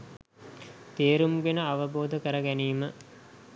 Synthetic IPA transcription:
t̪eːɾumɡenəaʋəboːd̪əkəɾəɡæniːmə

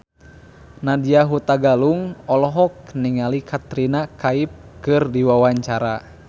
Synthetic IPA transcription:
nadiaɦut̪aɡaluŋɔlɔɦɔk̚niŋalikʰat̪ɾinakaip̚kɨrdiwawaɲt͡ʃaɾa

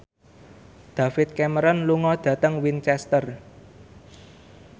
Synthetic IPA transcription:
d̪̥ä̤fɪt̪̚kɛməɾɔnluŋɔd̪̥ä̤t̪əŋwint͡ʃɛst̪ər

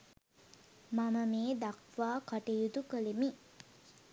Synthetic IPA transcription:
maməmeːd̪akʋaːkaʈejud̪ukəlemi

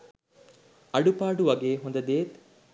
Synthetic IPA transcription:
ɐɖupaːɖuʋɐɡeːɦond̪ɐd̪eːt̪

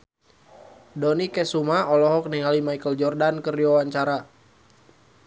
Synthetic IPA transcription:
dɔnikɛsumaɔlɔɦɔk̚niŋalimajkəld͡ʒɔrdankəriwawaɲt͡ʃaɾa

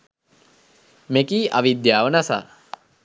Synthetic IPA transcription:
mekiːʔaʋid̪jaːʋənasa̰ː

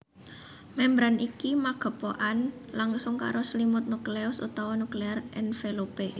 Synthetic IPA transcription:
mɛmbɾanikimaɡ̥ə̤poʔanlaŋsʊŋka̰ɾʔoslimʊt̪̚nukleʊsṵt̪awɔnuklearɛnfelope

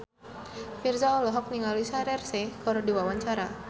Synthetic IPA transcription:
firzaɔlɔɦɔk̚niŋalisaɾɛrsekɔɾodiwawaɲt͡ʃaɾa

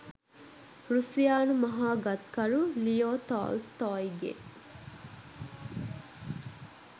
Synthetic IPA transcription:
ɾusijaːnumɐɦaːɡɐt̪kɐɾulijoːt̪a̰ːlst̪aːiɡḛ

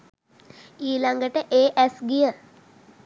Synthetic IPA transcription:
iːlaŋɡəʈəʔeːʔæsɡijə

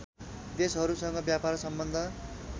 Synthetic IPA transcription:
d̪esɦʌɾusʌŋɡʌbjapaɾsʌmbʌnd̪ʱʌ

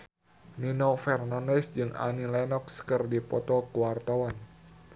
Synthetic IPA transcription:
ninofɛrnandɛsd͡ʒɨŋa̰nilɛnɔk̚sə̥kərdipɔt̪ɔkuwart̪awan

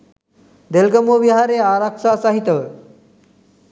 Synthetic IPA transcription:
d̪elɡəmoʋiɦaɾeaɾakʂasaɦit̪ə

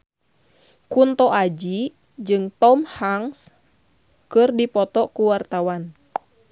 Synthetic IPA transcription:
kunt̪ɔʔad͡ʒi | d͡ʒɨŋt̪ɔmhaŋs | kɨrdipɔt̪ɔkuwart̪awan

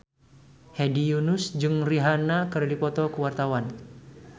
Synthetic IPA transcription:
hɛdijunusd͡ʒɨŋriɦanakəradipɔt̪ɔkəwart̪awan

